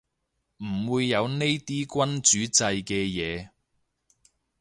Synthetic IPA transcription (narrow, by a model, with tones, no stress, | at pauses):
m̩˨˩wuː˨˧jːɐ˨˧wne˥jt̪iː˥kʷɐ˥nt͡ʃyː˨˥t͡sɐ˧jkɛː˧jɛː˨˧